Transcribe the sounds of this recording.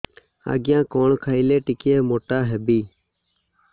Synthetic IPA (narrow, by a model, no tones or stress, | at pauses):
a̰ːɡjãːkoːɳkʰaːiːleːʈɪkeːmoːʈaːɦeːbiː